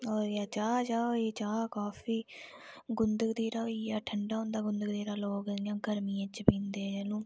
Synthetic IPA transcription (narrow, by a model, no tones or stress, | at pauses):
ɔːɾjaːt͡ʃaːd͡ʒaːoːeːt͡ʃaːkaːfiː | ɡʊnd̪əkd̪eːɾaːijaːʈʰəɳɖaːɦõːnd̪aːɡʊnd̪əkd̪eːɾaːloːkːjãːɡəɾmiːãt͡ʃpĩːnd̪eːd͡ʒɛːlũː